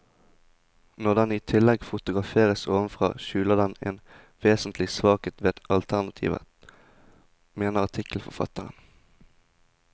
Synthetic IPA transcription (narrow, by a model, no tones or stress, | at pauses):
nɔʁd̪ɛniːt̪ʰɪlɛɡfʊt̪ʊɡʁɑfeːʁəsoːʋənfʁɑ̰ːʃʉːləd̪ɛnḛːn | ʋeːsən̩t̪lɪsʋɑːkət̪ʋeːt̪ɑlt̪ʰæʁnɑt̪ʰḭːʋə̰ | meːnəʁɑt̪ʰɪkl̩fɔfɑ̰t̪əʁə̰n